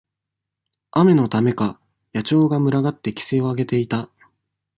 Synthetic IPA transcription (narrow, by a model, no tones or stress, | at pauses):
ame̞no̞t̪ame̞ka | jat͡ɕo̞ːɡamɯ̟ɾaɡat̪ːe̞kʲi̥se̞o̞aɡe̞t̪e̞it̪a